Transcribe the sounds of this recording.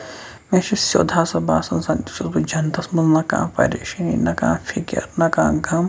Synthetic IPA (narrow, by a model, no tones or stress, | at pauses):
mẽʃisjo̰ːd̪ʱaːsɐbaːsɐnsaːnt̪u̥sɐsbɐd͡ʒʱɐnt̪ɐsmɐnznɐkã̰ːpɐ̰ɾeʃinḭnɐkã̰ːfʰikjɐ̰ɾnɐkãːɡʱɐm